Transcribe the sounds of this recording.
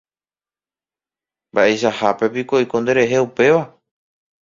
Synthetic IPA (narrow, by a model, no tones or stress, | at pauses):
mbaʔe̞jʃahape̞pikoikõ̞nd̪e̞ɾe̞ɦe̞upe̞ʋa